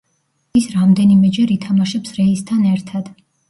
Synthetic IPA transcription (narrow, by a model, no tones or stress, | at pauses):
isɾamd̪ɛnimɛd͡ʒɛɾit̪ʰamaʃɛpsɾɛist̪ʰanɛɾt̪ʰad̪̥